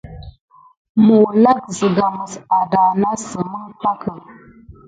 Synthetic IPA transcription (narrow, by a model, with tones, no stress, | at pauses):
mu˨la˦kzə˨ɡa˨mə˨sa˨da˨na˦sə˨mə˦pa˦kə˨